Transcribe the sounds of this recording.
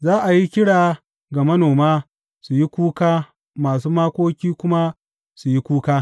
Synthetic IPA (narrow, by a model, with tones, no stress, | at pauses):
zaː˦ʔa˨ji˦kʲɪ˦ɽaː˨ | ɡa˨mɐ˦noː˨maː˦ | su˨ji˦kʷuː˦kaː˦ | maː˨suː˦maː˦kʷoː˦kʲiː˦kʷʊ˦ma˦ | su˨ji˦kʷuː˦kaː˦